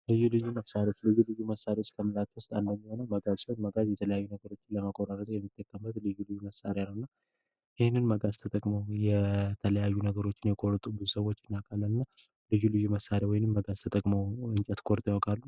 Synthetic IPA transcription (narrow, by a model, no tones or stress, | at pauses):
lɨjːulɨjːuməfsaɾeot͡ʃːlɨjːulɨjːuməsːaɾiwot͡ʃːkʰəmɨlat̪wʊst̪ʼand̪əɲːiho̞nəwməɡazihonməɡazjɛt̪ʰələjajːunəɡəɾo̞t͡ʃːɪnləmakʼoɾaɾət̪ʼjɛmːɨt̪ʰʼːəkʼːəmbət̪lɨjːulɨjːuməsːa̰ɾjalːəwɨnːa | jɪhnːɨnməɡazt̪ʰət̪ʼəkʼməwjɛt̪ʰələjajːunəɡəɾo̞t͡ʃːɪnjɛkʼoɾt̪ʼubɨzusəwːo̞t͡ʃːɪnːakʼalːəlɨnːa | lɨjːulɨjːuməsːaɾawɔjɪnɨmːəɡazt̪ʰət̪ʼəkʼməwɨnt͡ʃʼɛt̪kʰʼo̞ɾt̪ʼehokʰʼalːu